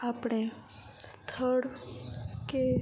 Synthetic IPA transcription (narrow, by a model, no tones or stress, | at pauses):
apɽ̃ẽ | st̪ʰəɽ | ke